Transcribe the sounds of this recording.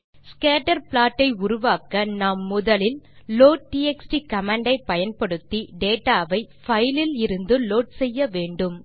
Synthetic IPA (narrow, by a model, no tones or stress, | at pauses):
skaːʈɐɾpɭaːʈːɐɪʊɾʊʋaːkɐnaːmːʊðɐlɪlloːʈ̚ʈːiːɛksʈikɐmɐɳɖɐɪpːɐjɐnpɐɽɯt̪ːiɖeːʈːaːʋɐɪ | fɐjlɪlɪɾɯnd̪ɯloːʈ̚sɛjːɐʋeːɳɖɯm